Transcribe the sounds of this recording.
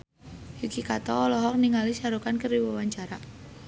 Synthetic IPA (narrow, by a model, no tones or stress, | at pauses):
hikikat̪ɔːlɔɦɔk̚niŋalisaɾukankəriwawaɲt͡ʃaɾa